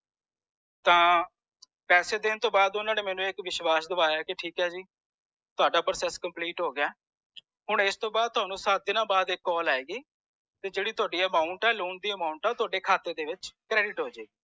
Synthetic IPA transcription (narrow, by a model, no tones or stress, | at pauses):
t̪ãː | pɛːseːd̪ɪnt̪õːbaːd̪ʊnãːneːmɛ̃ːnũːɪkʋɪʃwaːsd̪əʋaːjaːkɪʈʰiːkɦɛːd͡ʒiː | t̪ʊaːɖaːpəɾəsɛskəmpliːʈɦoːɡɪaː | ɦʊɳɪst̪õːbaːd̪̚t̪ʊɦaːnũːsət̪̚d̪ɪnãːbaːd̪ɪkːɔːlaːeːɡiː | t̪eːd͡ʒeːɽiːt̪ʊaːɖiːəmaːʊɳʈɛːluːɳd̪iːəmaːʊɳʈaːt̪ʊaːɖeːkʰaːt̪eːd̪eːʋɪt͡ʃkɾɛːɖɪʈɦoːd͡ʒaːɡiː